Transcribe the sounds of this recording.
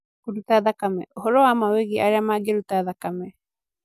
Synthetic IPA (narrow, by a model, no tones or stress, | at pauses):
uɾut̪aðakamḛoɦoɾoamaweɡia̰ɾeamaɡeɾut̪aðakame